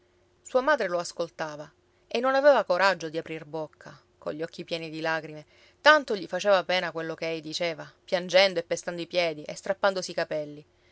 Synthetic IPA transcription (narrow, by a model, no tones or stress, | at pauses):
suːamaːd̪ɾeloaskolt̪aːva | enːonavɛːvakoɾʔad͡ʒːod̪iapɾirbokʰːa | ko̰ʎːɔkːipjɛːnid̪ilaːɡɾime | t̪ant̪oʎifat͡ʃeːvapɛːnakwelːokeejd̪it͡ʃeːvapjand͡ʒɛnd̪oepːest̪and̪oipjɛːd̪iʔḛst̪ɾapːand̪osiːkapɛlːi